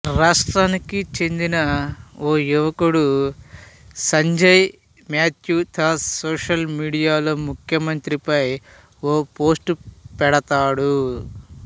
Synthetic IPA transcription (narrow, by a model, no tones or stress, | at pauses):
ɾaːsʈɾaːnikit͡ʃe̞nd̪inɐoːjuʋɐkuɽu | sɐɲd͡ʒɐj | maːt̪juːt̪ʰasoːʂɐlmiːɽijaːloːmukʰjɐmɐnt̪ɾipɐj | oːpo̞ːsʈupɛɽɐt̪aːɽu